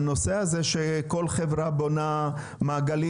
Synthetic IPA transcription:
no̞se̞hazeʃeko̞lχevʁabo̞na | maːɡali

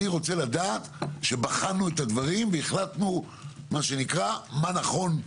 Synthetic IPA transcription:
iʁo̞t͡se̞lad̪aːt̪ʃe̞baχanuet̪advaʁimveeχlat̪nu | maʃe̞nikʁamanaχo̞n

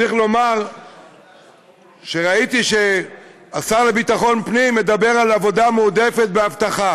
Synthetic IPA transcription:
iχlo̞maʁ | ʃe̞ʁait̪iʃe̞ | asaʁle̞bit̪aχo̞npnimːe̞d̪abe̞ʁalavo̞d̪ameud̪e̞fet̪̚beavt̪aχa

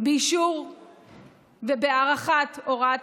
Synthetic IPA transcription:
beiʃuʁ | vebeaʁaχat̪oʁat

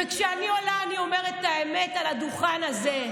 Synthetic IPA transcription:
ekʃeanio̞laːnio̞me̞ʁet̪aemetalad̪uχanaze

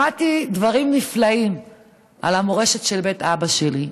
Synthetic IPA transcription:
atidvaʁimniflaim | ʔa̰lamoʁe̞ʃe̞tʃe̞lbe̞tabaʃeli

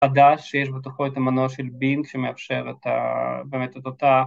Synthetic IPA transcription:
ad̪aʃːejeʃ̬bet̪uχoet̪amanoʃelbinkʃemeafʃeʁet̪a̰beːmet̪et̪ot̪a

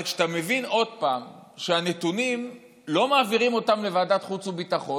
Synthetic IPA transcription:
kʃt̪ame̞vino̞d̚paːmʃeane̞tunim | lo̞maːviʁimo̞tamle̞vaːdatχut͡subit̪aχo̞

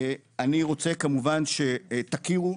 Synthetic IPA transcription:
aniʁo̞t͡se̞kamuvanʃet̪akiʁu

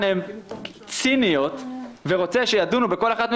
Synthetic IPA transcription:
nem | t͡sinijo̞t̪veʁo̞t͡se̞ʃejadunubeko̞laχat̪mi

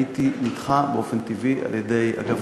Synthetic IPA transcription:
it̪inid̥χabeo̞fent̪ivia̰ljede̞ja̰ɡav

